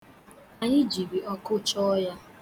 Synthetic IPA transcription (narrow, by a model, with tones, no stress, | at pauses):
a˨ɲɪ˦d͡ʒi˨bi˨ɔ˦kʊ˦t͡ʃɔ˦ja˦